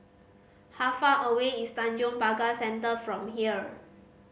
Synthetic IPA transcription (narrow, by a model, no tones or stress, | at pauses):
hafaʔəweistãnd͡ʒɔ̃ŋpaɡasɛ̃ntəfɹɔ̃mɦiə